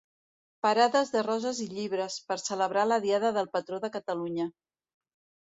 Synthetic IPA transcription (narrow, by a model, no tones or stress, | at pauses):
pəɾaðəzðərɔzəziʎiβɾəspəɾsələβɾaləðiaðəðəlˠpət̪ɾoðəkət̪əluɲə